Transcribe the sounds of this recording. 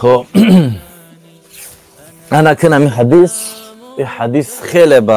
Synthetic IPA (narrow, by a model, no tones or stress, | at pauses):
χɔ | anakʰənamiɦad̪is | iħad̪isχɛlɛba